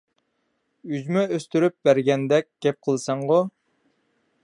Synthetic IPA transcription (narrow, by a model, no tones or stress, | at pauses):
yd͡ʒmɛøst̪yɾyp̚bæɾɡʲɛnd̪ɛk̚ʲɡ̥ʲɛp̚qʰəlˠsɑɴʁo